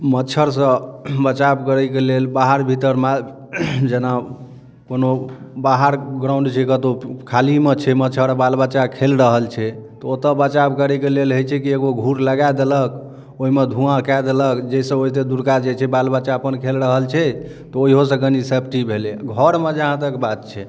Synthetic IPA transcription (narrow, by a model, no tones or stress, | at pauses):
mət͡ʃʰəɾsə̃bət͡ʃabkəɾəkelelbaɦəɾbʱit̪əɾma | d͡ʒena | konobaɦəɾɡɾauɳɖt͡ʃʰɛkət̪okʰalimet͡ʃʰɛmət͡ʃʰəɾbalbət͡ʃakʰelɾəɦəlt͡ʃʰɛt̪ɔot̪əbət͡ʃabkəɾɛkelelɦəjt͡ʃʰɛkieɡoɡʱuɾləɡad̪elək | oimed̪ʱũãkajd̪eləkd͡ʒɛisə̃oɦit̪ed̪uɾkad͡ʒet͡ʃʰɛbalbət͡ʃapənkʰelɾəɦəlt͡ʃʰɛ | t̪ɔoɦiɦosə̃ɡənisepʰʈibʱeleɡʱɔɾmed͡ʒəɦãt̪əkbat̪̚t͡ʃʰɛ